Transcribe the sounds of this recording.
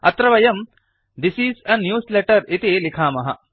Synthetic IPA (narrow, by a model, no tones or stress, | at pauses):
ɐt̪ɾɐʋɐjɐm | d̪isiːsɐnːjuːsleʈɐɾit̪ilikʰaːmɐɦɐ̰